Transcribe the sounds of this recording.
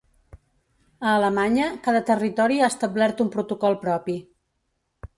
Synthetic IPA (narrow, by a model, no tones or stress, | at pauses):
əːləmaɲəkaðət̪ərit̪ɔɾiast̪əblɛɾt̪umpɾut̪ukɔlˠpɾɔpi